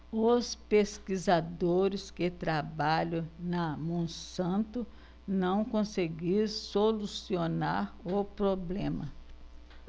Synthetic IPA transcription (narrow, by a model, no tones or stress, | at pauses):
ospeskizad̪oɾɪskɪt̪ɾabaʎɐ̃wnɐmõsɐ̃nt̪ʊ | nɐ̃w̃kõseɡiɾsolusionaɾʊpɾoblẽmɐ